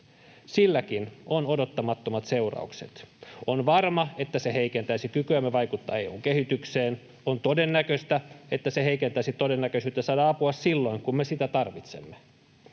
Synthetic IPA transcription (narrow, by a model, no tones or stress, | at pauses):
silːækinonodot̪ːɑmɑt̪ːomɑt̪se̞urɑ̰uksḛt̪onʋɑrmɑe̞t̪ːæse̞ɦeikent̪æisikykyæmːæʋɑjkut̪ːɑ̰ejṵːŋkeɦit̪ykseːn | ont̪o̞denːækøst̪æet̪ːæseɦeikent̪æisit̪o̞denːækøsyːt̪ːɑsɑːdɑɑpuɑssilːo̞iŋkumːesit̪æt̪ɑrʋit̪semːe